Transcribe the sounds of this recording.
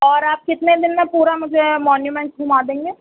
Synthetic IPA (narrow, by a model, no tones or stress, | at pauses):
ɔːɾaːp̚kɪt̪ned̪ɪnmẽpuːɾamʊd͡ʒʱemɔːnjumɛ̃ɳʈsbʱumaːd̪ẽːŋɡeː